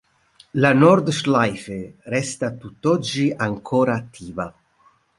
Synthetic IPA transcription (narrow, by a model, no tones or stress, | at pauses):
lanɔrd̪ʃlajferɛst̪at̪ut̪ːɔd͡ʒːiaŋkʰɔːɾaːt̪ʰːiːva